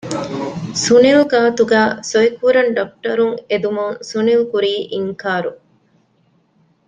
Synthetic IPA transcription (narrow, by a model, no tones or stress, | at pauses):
sunilɡaːt̪uɡæːsoikuɾɐɳɖɐk̚ʈɐɾuŋed̪umuŋsunilkuɾiːʔiŋkaːɾu